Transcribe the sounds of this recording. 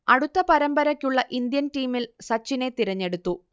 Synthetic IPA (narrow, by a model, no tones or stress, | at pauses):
ɐɽut̪ːɐpɐɾɐmbɐɾɐkʲːuɭːɐʔind̪jɐnʈiːmilsɐt͡ɕːine̞t̪iɾɐɲːe̞ɽut̪ːu